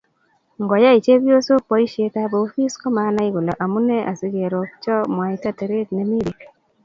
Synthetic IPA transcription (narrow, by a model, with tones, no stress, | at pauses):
ŋɡɔ˨ja˦i˨t͡ʃe˦bjo˦so˦pɔ˨˦i˦ʃe˦ta˦boː˨˦fi˦sko˦ma˨˦na˦i˦ɣu˨lɔ˨ʔa˨mu˦nɛ˦ʔa̰˨sɪ˦ke˨ɾo˨kt͡ʃɔ˦mwa˨ita˦te˨ɾe˦tne˦mi˦ɾi˨k